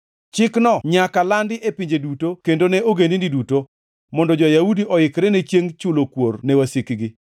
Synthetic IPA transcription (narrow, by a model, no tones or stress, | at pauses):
t͡ʃɪknɔɲakalandɪʔepiɲd͡ʒedutokendonɛʔoɡenindiduto | mɔndɔd͡ʒɔjaudiʔɔɪkɾɛnet͡ʃjeŋt͡ʃʊlokwornɛwasikɡɪ